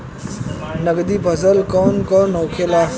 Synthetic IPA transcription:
nəɡd̪iːpʰəzəlkɔːnkɔnõːkʰelaː

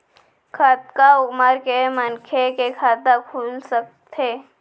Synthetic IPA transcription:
kʰɐt̪̚kaʊməɾkemənkʰekekʰaɾd̪akʰuːlsək̚t̪ʰeː

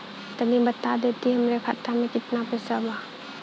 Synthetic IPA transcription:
t̪ənibət̪ad̪et̪iɦɐmɾekʰat̪ːamẽkɪt̪napesəba

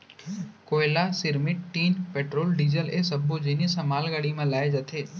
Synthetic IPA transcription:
koːɪlasɪɾmɪʈʈːiːnpeːʈɾoːlɖiːzəlesɐbʱod͡ʑeːnisãmaːlɡaɽimãlaːed͡ʒɐt̪ʰeː

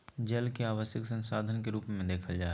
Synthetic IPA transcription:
d͡ʒəlkeaːʋəʃjəksə̃nsaːd̪ʱənkeɾuːpmẽd̪eːkʰəld͡ʒaː

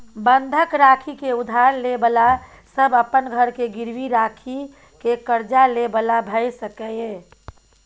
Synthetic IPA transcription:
bənd̪ʱəkɾaːkʰikeʊd̪ʱaːɾlebəla | səbəpənɡʱəɾkeɡɪɾwiɾaːkʰi | kekəɾd͡ʒalebəlabʱɛjsəkɛeː

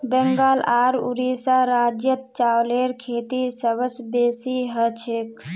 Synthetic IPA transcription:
bɛŋɡalaɾṵɾisaɾad͡ʒjət̪̚t͡ʃawleɾkʰet̪isəbəsbesiɦət͡ʃʰek

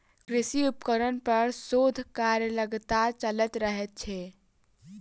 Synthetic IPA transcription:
kɾɪsiupkəɾənpəɾsod̪ʱkaɾjələɡt̪at͡ʃələt̪ɾəɦɛt̪̚t͡ʃʰɛː

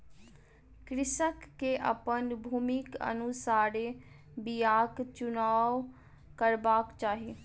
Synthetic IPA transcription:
kɾɪsəkːeːʔə̰pənbʱuːmɪkə̰nusaːɽeː | bijaːkt͡ʃʊnaːʋ | kəɾbaːkt͡ʃaːɦeː

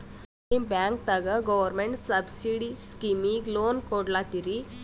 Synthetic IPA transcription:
ibãŋk̚t̪əɡəɡɔʋəɾmeɳʈsəbsiɽiskimiɡlonkoɽlat̪iɾi

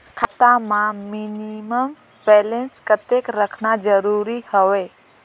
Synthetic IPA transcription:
kʰət̪amãminiməm | bɛːlenskət̪ekɾəkʰnad͡ʒəɾuɾihəʋeː

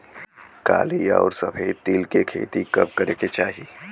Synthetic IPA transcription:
ka̰ːlia̰ːɾsɐpʰəit̪ilkekʰḛːt̪ikɐp̚kɐɾeːket͡ʃaːɦi

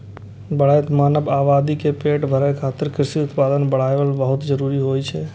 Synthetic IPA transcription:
bəɽ̤ajt̪maːnəbaːbad̪ikepeʈbʱəɾajkʰaːt̪ɪɾkɾɪsiʊt̪paːd̪ənbəɽ̤ajʋəlbəɦʊt̪d͡ʒəɾuːɾiɦojt͡ʃʰɛ

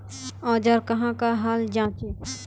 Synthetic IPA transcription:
ɔ̃ːd͡ʒəɾkɐɦãkaɦaːld͡ʒãːt͡ʃe

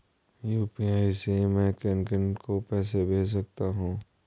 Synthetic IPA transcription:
juːpiaːisemɛ̃kɛːnkənkopɛːsebʱeːs̬ɐk̚t̪aɦũː

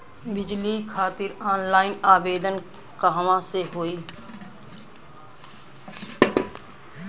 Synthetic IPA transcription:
bɪd͡ʒlikʰaːt̪ɪɾaːnlaːɪnaːbeːd̪ən | kaɦʋãseɦoːiː

